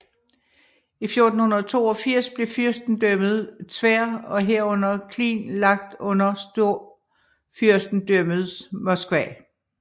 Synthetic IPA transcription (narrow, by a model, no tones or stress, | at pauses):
ifjo̝ɐd̥n̩hunɐð̩ˠt͡sʰo̝̰ːɒ̽fiɐ̰sb̥le̝fyɐsd̥n̩d̥øməð̩ˠt͡sʰʋæɐ̰ɒ̽ɦeɐ̰ɔ̽n̰ɐkʰlḭːnlɑ̈ɡ̥̚d̥ɔ̽n̰ɐsd̥o̝̰ | fyɐ̰sd̥n̩d̥ømð̩ˠmɒsɡ̥ʋɛ̰